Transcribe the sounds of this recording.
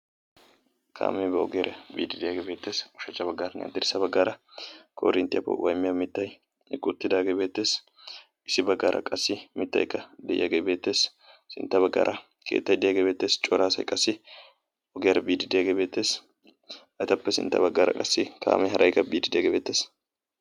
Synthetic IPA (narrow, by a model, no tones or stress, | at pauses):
kʰa̰ːmɛbɛɔ̰ɡejɾʔɐbiːd̪ɪd̪ɪjaːɡebeːt̪ːeːsʊʃɐt͡ʃːɐbɐɡːaːɾɐnɐ̰d̪ɪɾɪsɐbɐɡːaːɾɐkʰo̰ːɾɪnt̪ːɪjɐpːɔ̰wʔɐjmɪjɐmɪt̪ːɐj | kʼːʊt̪ːɪd̪aːɡebeːt̪ːe̞ːs | ɪsɪbɐɡːaːɾʔɐ̰kʼɐsːɪmɪt̪ːɐ̰jkːɐd̪ɛʔjaɡebeːt̪ːe̞ːs | sɪnt̪ːɐβɐɡːa̰ːɾʔɐ | kʰeːt̪ːɐjd̪ɛjaːɡebe̞ːt̪ːe̞ːst͡ʃʼɔɾaːsɐjkʼɐsːɪ | ʔɔɡejɾɛbiːd̪ɪd̪jaɡebe̞ːt̪ːe̞ːs | ɐjt̪ɐpːɛsɪ̰nt̪ːɐ̰bɐɡːaːɾɐ̰kʼɐsːɪkʰa̰ːmɛɦɐɾʔɐjkːɐbiːd̪ɪd̪jaːɡebeːt̪ːeːs